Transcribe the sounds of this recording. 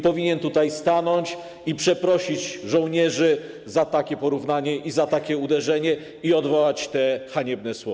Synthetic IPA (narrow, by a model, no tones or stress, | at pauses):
pɔvʲiɲɛnt̪ut̪ajst̪anɔɲt͡ɕ | ipʂɛpɾɔɕid͡ʑʐɔ̃w̃ɲɛʐɘ | zat̪akʲɛpɔɾuvnaɲɛʔizat̪akʲɛud̪ɛʐɛɲɛ | iɔd̪vɔwat͡ɕt̪ɛxaɲɛbnɛswɔ